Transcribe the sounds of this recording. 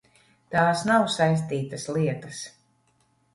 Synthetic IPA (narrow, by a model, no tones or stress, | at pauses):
t̪aːsnawsajs̬t̪iːt̪ɐslˠiɛt̪ɐs